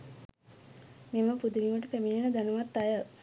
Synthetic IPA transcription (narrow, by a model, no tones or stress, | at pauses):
meməpud̪uliməʈəpæmijənəd̪anəʋat̪ːajə